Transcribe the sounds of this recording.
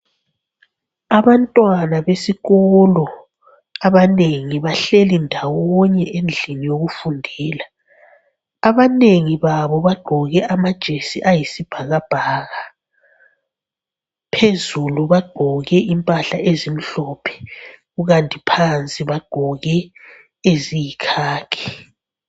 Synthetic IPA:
aβantʼwanaβesiɣɔlɔ | aβaneŋiβaɬelindʱawɔɲɛʔend͡ɮʱinijoɣufundʱiːla | aβaneŋiβaβɔβaɡ͡ǃ̥ʱɔɣɛʔamad̥ʒ̥ʱesiʔajisib̥ʱaɣab̥ʱaːɣa | pʰezuluβaɡ͡ǃ̥ʱɔɣɛʔimpʼaɬaʔezim̩ɬɔpʰɛ̥ɣuɣantʼipʰant͡sʼiβaɡ͡ǃ̥ʱɔɣɛ | ezijikʰaːkʰɛ̥

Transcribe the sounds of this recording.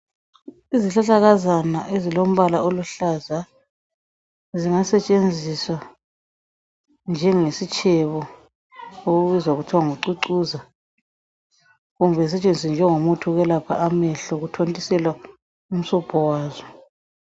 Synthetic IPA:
iziɬaɬaɣazanaʔezilom̩βalaoluɬaza | ziŋasɛt͡ʃʼend͡zʱiswa | nd͡ʒʱɛŋesit͡ʃʰʼɛβɔ | oɣuβizwauɣutʰaŋuǀuǀuza | ɣumbʱɛs̬ɛt͡ʃʼend͡zʱis̬ɛnd͡ʒʱɛŋomutʰuɣɛlapʰa̰ʔamɛɬɔɣutʰontʼisɛlwa | um̩sɔpʰɔwaːzɔ

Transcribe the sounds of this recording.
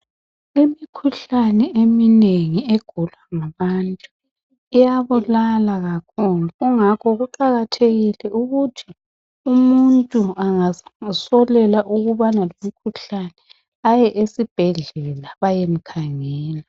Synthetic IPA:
imikʰuɬanɛemineŋieɡ̥ʱulwaŋaβantʼu | ijaβulalaɣakʰuluɣuŋakʰɔɣuǃaɣatʰeɣilɛʔuɣutʰi | umuntʼuaŋasɔlɛlaʔuɣuβanalomikʰuɬanɛ | ajɛʔesib̥ʱɛɮɛlaβajem̩kʰaŋɛːla

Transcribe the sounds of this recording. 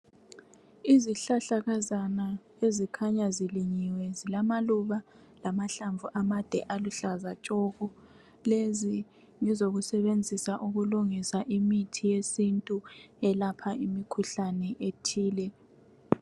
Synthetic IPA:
iziɬaɬaɣazana | ezikʰaɲaziliɲiwɛzilamaluβa | lamaɬaɱvuʔamad̥ʱɛ̰ʔaluɬazat͡ʃʼɔɣɔ | lezi | ŋizoɣusɛβend͡zʱisaʔuɣuluŋisaʔimitʰijesintʼuɛlapʰaimikʰuɬanɛʔetʰiːlɛ

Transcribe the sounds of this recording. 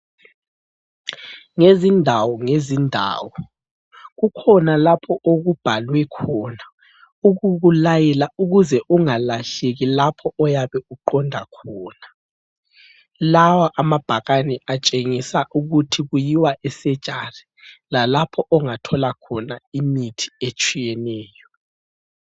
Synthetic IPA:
ŋezindʱawɔŋezindʱa̰ːwɔ | ɣukʰɔnalapʰɔʔoɣub̥ʱalwɛkʰɔna | uɣuɣulajɛlauɣuzɛʔuŋalaɬeɣilapʰɔʔɔjaβɛuǃɔndʱakʰɔːna | lawaʔamab̥ʱaɣanɛat͡ʃʼeŋisaʔuɣutʰiɣujiwaʔɛsɛd̥ʒ̥ʼʱari | lalapʰɔʔɔŋatʰɔlakʰɔnaimitʰi̥et͡ʃʼijɛnɛːjɔ

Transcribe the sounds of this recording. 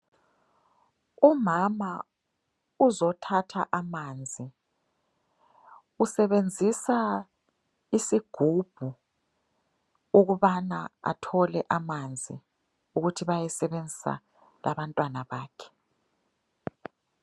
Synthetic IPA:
umama | uzɔtʰatʰaʔamaːnd͡zʱi | usɛβend͡zʱisa | isiɡ̥ʱub̥ʱu | uɣuβanaa̰tʰɔlɛʔamand͡zʱḭ | uɣutʰiβajɛsɛβend͡zʱi̥sa̰ | la̰βantʼwanaβaːkʰɛ̥

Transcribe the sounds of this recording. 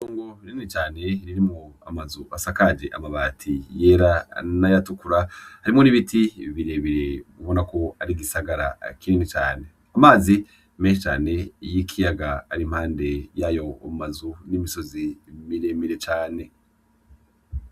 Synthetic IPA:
oːŋɡoɾininit͡ʃaːne̞ɾiɾimŋoa̰mazuʔasakad͡ʒe̞ʔamaβaːtʰijeɾanajatukuɾahaɾimŋoniβitʰiβiɾe̞βiɾe̞βuβo̞nako̞aɾiɡisaɡaɾa̰kininit͡ʃa̰ːne̞ | amaːzi | meʃit͡ʃaːne̞jikʰijaɡaːɾim̥haːnde̞jajo̞ːmmazunimiso̞zimiɾe̞miɾe̞t͡ʃaːne̞

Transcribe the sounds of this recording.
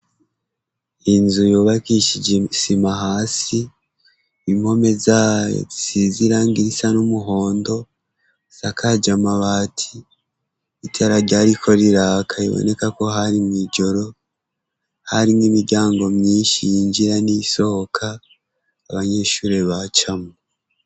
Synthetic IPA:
inzujuːβakiʃid͡ʒesimaɦaːsi | imho̞me̞zaːo̰isiziɾaːŋɡiɾisanumuɦo̞ːndo̞ | sakʰad͡ʒamaβaːtʰi | itʰeɾaɾɟaɾikʰo̞ɾiɾaːkʰaḭβo̰ne̞kako̞ɦaɾimŋid͡ʒo̞ɾo̞ | haɾimwimiɾɟaːŋɡo̞mɲiːnʃijiɲd͡ʒiɾaniso̞hokʰaː | βaɲe̞ːʃuːɾe̞βat͡ʃamu

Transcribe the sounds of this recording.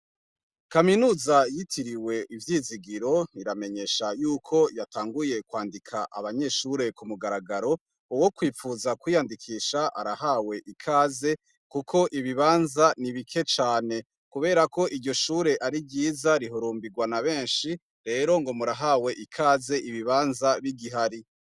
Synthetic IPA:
kaminuːzajitʰiɾiwe̞ʔivjiːziɡiɾo̞niɾame̞ɲe̞ʃajuːkʰo̞jatʰaːŋɡuje̞kwaːndikʰaʔa̰βaɲe̞ʃuɾe̞kumuɡaɾaɡaɾo̞ | uwo̞kwiːfuzakwiːjandikʰiːʃaʔa̰ɾahaːwe̞ʔikʰaːze̞ | kukʰo̞ʔiβiβaːnzaniβikʰe̞t͡ʃaːne̞ | kuβe̞ːɾako̞ʔiɾɟo̞ʃuːɾe̞ʔaɾibɟiːzaɾiɦoɾuːmbiɡwanaβe̞ːnʃi | ɾe̞ːɾo̞ŋɡo̞muɾaɦaːwe̞ʔikʰaːze̞ʔiβiβaːnzaβiɡiɦaɾi

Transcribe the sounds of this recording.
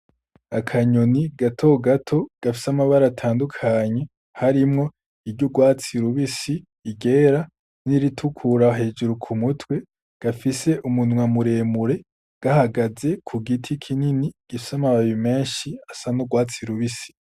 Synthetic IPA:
akʰaɲoniɡatʰo̞ɡatʰo̞ɡ̥afi̥samaβaɾatʰaːndukʰaɲe̞ | haɾimŋo̞ | iɾɟoɡwaːt͡siɾuβisiː | ɡe̞ːɾa | niɾitʰukʰuɾaɦe̞ːd͡ʒuɾukʰumutʰwe̞ | ɡ̥afise̞ʔumunwamuɾe̞ːmuɾe̞ | ɡ̥ahaɡaze̞kʰuɡitʰikʰininiɡ̥ifi̥samaβajime̞ːʃiasanoɡwaːt͡siɾuβisi̥

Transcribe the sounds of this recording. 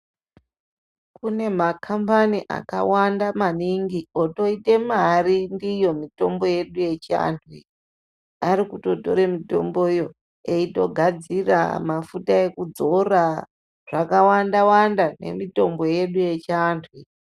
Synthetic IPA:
kune̞makʰampaniʔa̰ka̰wandamaniŋɡio̞to̞ite̞marindijo̞mito̞mbo̞je̞ɗuje̞t͡ʃia̰ːntʰwi | aɾikuto̞to̞̰ɾe̞mito̞mbo̞jo̞ | eito̞ɡʱad͡zira̰mafutae̞kud͡zo̞ra | ʐ̥akawandawandane̞̰mito̞mbo̞je̞ɗuje̞t͡ʃantʰwi

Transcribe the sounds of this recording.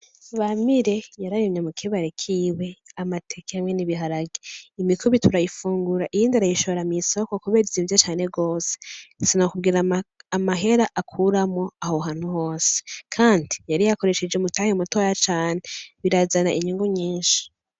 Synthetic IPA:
βamiɾe̞jaɾajomɲemukʰiβaɾekʰiːwe̞amatʰe̞keamŋeniβiɦaɾaɡeimikuβitʰuɾajifuːŋɡuɾaʔijiːndiaɾajiʃoβɾamisokokuβeɾizivjot͡ʃaːne̞ɡo̞ːsesinokubɡiɾaamaɦe̞ɾaʔakʰuɾamo̞ahoɦaːn̥huho̞ːse̥kʰaːndijaɾijako̞ɾe̞ʃed͡ʒeumutaːhemutoajat͡ʃaːneβiɾazanaʔiɲiŋɡuɲiːnʃi̥

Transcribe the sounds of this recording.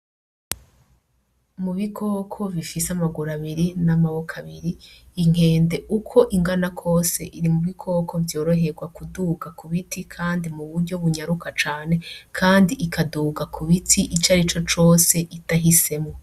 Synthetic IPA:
muβikʰo̞ːkʰo̞βifiseamaɡuɾaβiɾinamawokʰaβiɾiː | ŋ̥e̞ːnde̞ʔukʰo̞ʔiŋɡanakʰo̞ːse̞̰ʔiɾimuβikʰo̞kʰo̞vjo̞ːɾo̞ɦe̞ɡwakuduɡakuβitʰikʰaːndimuβuɾɟo̞βuɲaɾukat͡ʃaːne̞kʰaːndiʔikʰaduːɡakʰuβitʰiʔit͡ʃaɾit͡ʃo̞t͡ʃo̞ːse̞ʔitaɦise̞mŋo

